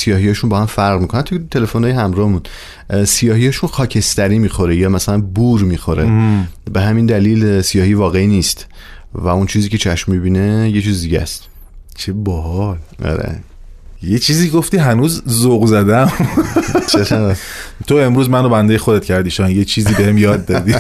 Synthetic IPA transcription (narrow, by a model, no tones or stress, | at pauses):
sijɒːɦijɒːʃunbɒːhæmfæɾʁmiːkʰonænt̪ʰujet̪ʰe̞le̞fonɒːjeɦæmɾɒːhemun | sijɒːɦijɒːʃunxɒːcʰe̞st̪æɾiːmiːxo̞ɾejɒːmæsælænbuːɾmiːxo̞ɾebeɦæmind̪æliːlsijɒːhivɒːɣeiniːst̪ | væunt͡ʃʰiːziːcʲʰe̞t͡ʃʰæʃmːibiːne̞jet͡ʃʰiːzd̪iɟæ̰st̪ | t͡ʃʰebɔhɒlʔɒ̰ɾḛ | jet͡ʃʰiːziːeɡoft̪iːɦænuːzzoɣzæd̪æm | t͡ʃʰeɣæt̪ʰoe̞mɾuːzmænobænd̪ejexod̪e̞t̪̚cʰæɾd̪iːʃɒjnjet͡ʃʰiːziːbehemjɒːd̪̚ːɒd̪i